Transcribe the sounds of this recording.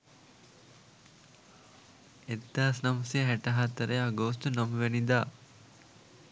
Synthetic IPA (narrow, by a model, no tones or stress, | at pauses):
ed̪ːaːsnɐmɐsijəɦæʈɐɦat̪əɾəjaɡoːst̪unɐmʋenid̪aː